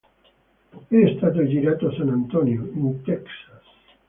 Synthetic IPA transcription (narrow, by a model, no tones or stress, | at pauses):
eːst̪at̪̬od͡ʒiɾat̪osanant̪onjomut̪ɛksas